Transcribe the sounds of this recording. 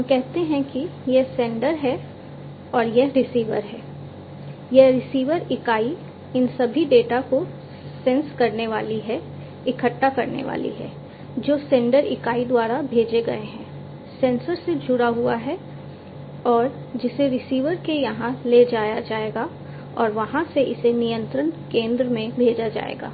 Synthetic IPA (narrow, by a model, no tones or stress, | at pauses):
ɦɐmkɛɦt̪eɦɛ̃kijɛsɛ̃ːɳɖəɾɦɛ | ɔːɾjɛɦɾɪsiːʋə̰ɾɦɛː | jɛɾɪsiːʋəɾɪkaːi | ɪnsɐbʱiɖeːʈako | sɛ̃nskɐɾneʋaːliɦɛ | ɪkʰəʈːakɐɾnḛʋa̰ːlḭɦɛ̰ː | d͡ʒoːsɛ̃ːɳɖəɾɪkaːid̪waːɾabʱeːd͡ʒeɡɐeɦɛ̃ː | sɛ̃ːnsəɾsed͡ʒʱʊɽaɦuaɦɛ | ɔːɾ | d͡ʒɪseɾɪsiːʋəɾkejɐɦãleːd͡ʒaːjad͡ʒaːeːɡa | ɔːɾʋɐɦãseʔɪsenijə̃nt̪ɾənkẽːnd̪ɾəmẽbʱeːd͡ʒad͡ʒa̰ːḛːɡa̰ː